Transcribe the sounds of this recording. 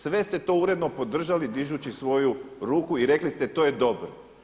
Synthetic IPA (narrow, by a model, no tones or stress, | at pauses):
sʋe̞st̪e̞t̪o̞uɾe̞d̪no̞po̞d̪r̩ʒalid̪iʒut͡ɕisʋo̞juɾuːkuiɾe̞klist̪e̞t̪o̞ːje̞d̪o̞bɾo